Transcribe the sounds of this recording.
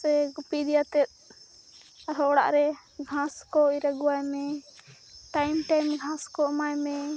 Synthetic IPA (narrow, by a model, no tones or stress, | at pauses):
sɛɡupid̪ijat̪ɛt̪̚ | ɾɔɽa̰ʔɾɛɡʱãskɔiɾaɡuwajmɛ | ʈajmʈajmɡʱãskɔmajmɛ